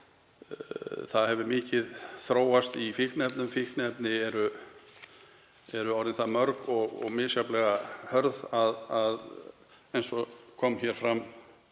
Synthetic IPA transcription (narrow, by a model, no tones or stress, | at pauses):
θaðhɛvʏmɪːcɪðθɾoːwast̪ifihknɛpnʏmfihknɛpnɪɛɾʏ | ɛɾʏɔwɾɪnθamœɾkɔɣɔ̰ɣmɪːsjaplɛɣahœɾðaðað | ejnsɔkʰɔmçɛɾ̥fɾam